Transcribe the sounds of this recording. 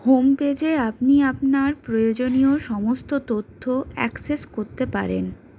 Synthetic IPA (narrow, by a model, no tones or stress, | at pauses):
homped͡ʑeapniapnaɾpɾojod͡ʑonioʃɔmost̪ot̪ot̪ʰːoɛ̰kseskoɾt̪epa̰ɾḛn